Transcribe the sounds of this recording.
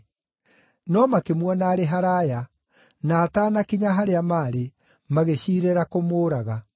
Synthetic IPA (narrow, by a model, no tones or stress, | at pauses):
nɔmakemwɔnaːɾeɦaɾaːja | naːtaːnakiɲaɦaɾeamaːɾe | maɣeɕiːɾɛɾakomoːɾaɣa